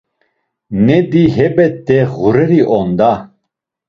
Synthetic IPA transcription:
nɛd̪iɦɛbɛt̪ːɛʁuɾɛɾiʔɔnd̪a

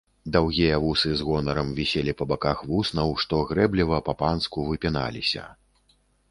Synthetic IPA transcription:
d̪awɣʲijɐvusɨzɣɔnɐɾɐmvʲisʲelʲipɐbakaxvusnɐwʂt̪ɔɣɾɛblʲivɐpɐpanskuvɨpʲina̰lʲisʲɐ̰

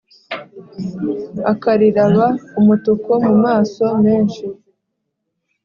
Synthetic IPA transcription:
akaɾiɾaβaumutuko̞mumaːso̞meːnʃi

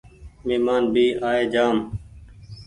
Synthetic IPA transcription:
meːmaːnbiːʔaːeːd͡ʒaːm

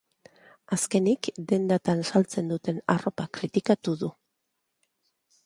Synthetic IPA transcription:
aske̞nikd̪e̞nd̪at̪ansalt͡se̞nd̪ut̪e̞naro̞pakɾit̪ikat̪uðu

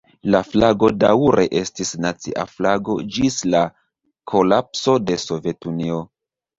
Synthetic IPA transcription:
laflaɡo̞dawɾʔe̞ʔe̞stisnat͡siʔa̰flaɡo̞d͡ʒisla | kʰo̞lapso̞de̞so̞ve̞tunio̞

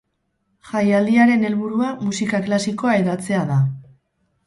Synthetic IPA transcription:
xajald̪iaɾe̞ne̞lβuɾuamusikaklasiko̞ae̞ðat͡se̞aða

